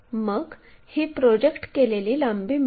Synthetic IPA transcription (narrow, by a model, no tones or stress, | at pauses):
məɡhiːpɾod͡ʑekʈkeleliːləmbiːm